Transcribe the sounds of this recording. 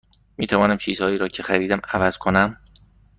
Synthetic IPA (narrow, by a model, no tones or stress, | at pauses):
miːt̪ʰævɒːnæmt͡ʃʰiːz̥hɒːiːɾɒːcʰexæɾiːd̪æmævæz̥kʰonæm